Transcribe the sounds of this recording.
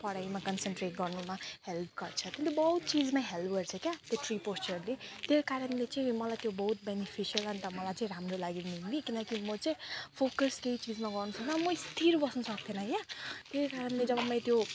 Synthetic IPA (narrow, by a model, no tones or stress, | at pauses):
pʌɽajmakʌnsenʈreʈ̚ɡʌrnumahelp̚ʰɡʌrt͡sʰʌt̪jeljobʌɦut̪̚t͡sid͡zmaɦelɡʌrt͡sʰʌkjat̪joʈripost͡ʃʌɾlet̪jejkaɾʌnlet͡sʌ̃ĩmʌlajt̪jobʌɦut̪̚benipʰisiʌlʌnt̪ʌmʌlajt͡sãĩɾamrolaɡimillikinʌkimʌt͡sʌĩpʰokʌskeit͡sid͡zmaɡʌrnusʌk̚d̪ʌmʌst̪ʰiɾbʌsnʌsʌk̚d̪ʰenʌjat̪ejkaɾʌnled͡zʌbamːʌ̃j̃t̪jo